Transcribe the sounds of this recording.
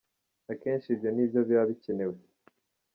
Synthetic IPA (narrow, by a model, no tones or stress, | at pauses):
nake̞ːɲʃibɟoniːbjoβjoβaβice̞ne̞we